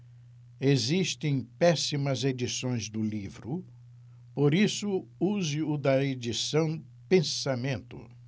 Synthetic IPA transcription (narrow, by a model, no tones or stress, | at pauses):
eziʃt̪ẽj̃pɛsimɐzed͡ʒisõj̃zd̪ʊlivɾʊ | poɾisʊuzɪʊd̪ɐed͡ʒisɐ̃w̃ | pẽsamẽnt̪ʊ̰